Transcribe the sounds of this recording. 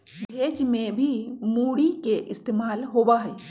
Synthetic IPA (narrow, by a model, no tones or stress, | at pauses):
bʱeːd͡ʒmẽbʱimuːɽikeʔɪst̪eːmaːlɦoːbaɦɛː